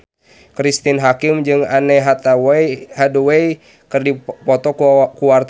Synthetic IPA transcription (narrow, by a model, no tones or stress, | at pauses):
kɾist̪inɦakɪmd͡ʒɨŋanɛɦat̪ahaduwɛi | kɨrdipɔt̪ɔkkuwart̪